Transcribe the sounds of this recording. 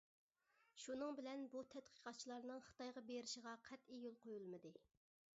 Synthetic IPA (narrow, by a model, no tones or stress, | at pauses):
ʃunɨŋbɪlɛnbut̪ʰɛt̪qʰə̥qɑt̪̚t͡ʃʰilˠɑɾnɨŋχɨ̥t̪ɑjʁɑbeɾɪʃəʁɑqʰɛt̪ejulˠqʰojulˠmɨd̪ɨ